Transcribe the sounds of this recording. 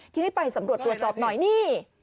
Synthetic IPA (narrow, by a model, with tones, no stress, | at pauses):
t̪ʰiː˧niː˥˩pa˧hsa˩˦mɾu˨˩ət̪ːɾu˨˩ət̪sɔː˨˩p̚nɔ˨˩jniː˥˩